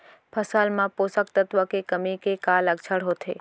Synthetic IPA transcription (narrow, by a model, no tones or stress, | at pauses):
pʰəsalmãposək̚t̪ət̪ʋəkekəmikekaləɡt͡ʃʰəɽɦot̪ʰe